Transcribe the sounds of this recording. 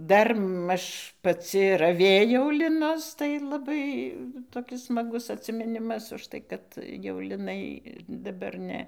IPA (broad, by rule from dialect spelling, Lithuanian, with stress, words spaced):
ˈdɐr ˈmɐʃ pɐˈt͡sʲɪ rɐˈʋʲeːjɛʊ lʲɪˈnʊs tɐɪ lˠɐˈbɐɪ toːˈkʲɪs smɐˈɡʊs ɐtʲsʲɪmʲɪˈnʲɪmɐs ʊʃˈtɐɪ kɐt jɛʊ lʲɪˈnɐɪ dɐˈbɐr ˈnʲɛ